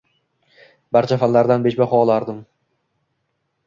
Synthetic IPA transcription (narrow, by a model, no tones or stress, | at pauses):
baɾt͡ʃʰafalːaɾd̪anbeʃbaχɒlˠaɾd̪ɪm